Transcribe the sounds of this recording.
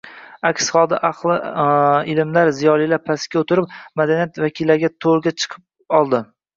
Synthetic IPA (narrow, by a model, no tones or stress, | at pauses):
akʲsχɒlˠd̪aʔaqlˠɪɪlɪmlaɾzijɒlˠilapʰaskʲaot̪ʰɪɾɪp̚mad̪anijat̪vakʲʰilːaɾɡʲat̪ʰolɡʲat͡ʃʰɨ̥qʰɨp̚ | ɒlˠd̪ɪ